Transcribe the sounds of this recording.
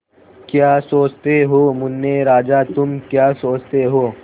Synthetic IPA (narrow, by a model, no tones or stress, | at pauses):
kjaːsoːt͡ʃt̪eɦoːmʊnːeɾaːd͡ʒat̪ʊmkjaːsoːt͡ʃt̪eɦoː